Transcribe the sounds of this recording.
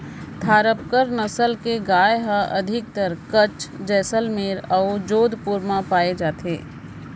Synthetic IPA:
t̪ʰaːɾəp̚kəɾnɐsəlkeɡaːjɦə̃ʔɐd̪ʱɪk̚t̪əɾkət͡ʃd͡ʒɛːsəlmeːɾɐʊd͡ʒoːd̪ʱpuɾmãpaːed͡ʒaːt̪ʰḛː

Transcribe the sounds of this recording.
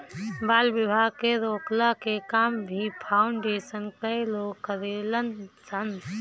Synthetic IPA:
baːlbɪbʱaːɡkeɾoːklakekaːmbʱipʰaːʊɳɖeːsənkəiloːɡkəɾelənsən

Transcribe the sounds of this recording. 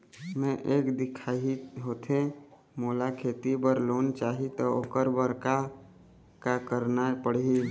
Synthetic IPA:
mɛ̃ʔeːkd̪ɪkʰaːɦiɦoːt̪ʰe | moːlakʰeːt̪ibəɾloːnt͡ʃaːɦit̪ɔoːkəɾbəɾka | kakəɾnapəɽ̤ɦi

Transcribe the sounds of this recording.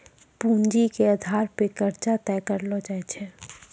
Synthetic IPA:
pund͡ʒikeəd̪ʱaɾpekəɾt͡ʃat̪ɛkəɾlɔd͡ʒaɛt͡ʃʰɛ

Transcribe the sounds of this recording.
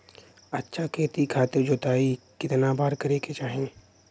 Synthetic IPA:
ətːʃʰakʰeːt̪ikʰaːt̪ed͡ʒoːt̪aːi | kɪt̪nabʱaːɾkɐɾeːket͡ʃaːɦẽ

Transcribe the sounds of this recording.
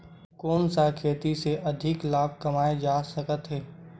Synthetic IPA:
kɔːnsakʰeːt̪iseʔɐd̪ʱɪklaːb̚ʱkɐmaːed͡ʒaːsɐkət̪ɦɛː

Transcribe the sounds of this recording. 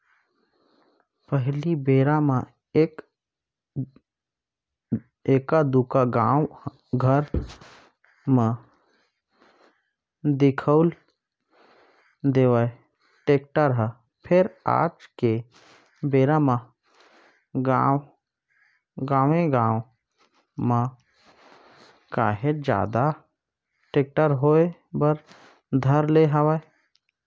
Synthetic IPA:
pəɦlibeːɾama | k | eːkad̪ukaɡaːw | ɡʱəɾ | me | d̪ɪkʰəʊl | d̪eːʋae | ʈeːk̚ʈəɾɦə | pʰɪɾa̰ːt͡ʃke | beːɾamã | ɡa | ɡaːʋẽɡãːw | mã | ka̰ːɦed͡ʒa̰ːd̪a | ʈek̚ʈəɾɦoebəɾ | d̪ʱəɾleɦaʋae

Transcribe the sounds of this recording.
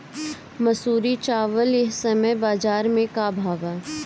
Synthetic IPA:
mɐsuːɾit͡ʃaːʋəljeɦsɐməjbaːzaːɾmẽkabʱaːʋaː

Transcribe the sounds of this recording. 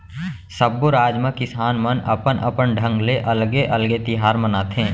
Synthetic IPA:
səbːoɾaːd͡ʒmẽkɪsaːnmənə̰pənə̰pənɖʱə̃ŋɡleʔɐlɡeʔɐlɡet̪ɪɦaːɾmənaːt̪ʰẽː

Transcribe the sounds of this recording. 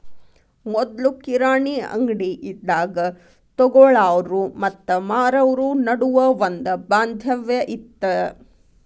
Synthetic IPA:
mɔd̪lukiɾaːɳiɐ̰ŋɡɽiʔid̪ːaːɡɐ | t̪ɔɡɔɭaːʋɾumɐt̪ːɐmaːɾɐʋɾunɐɽuʋɐond̪ɐbaːnd̪ʱjɐʋjɐʔit̪ːɐ

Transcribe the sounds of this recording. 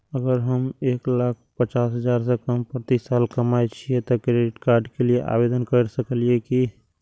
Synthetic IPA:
əɡəɾɦəmeːklak̚ʰpət͡ʃasɦəd͡ʒaɾs̬ẽkəmpɾt̪isalkəmajt͡ʃʰijet̪ɔkɾeɖiʈkaɾɖkelieʔa̰bed̪ənkəɾsəkəlijeki

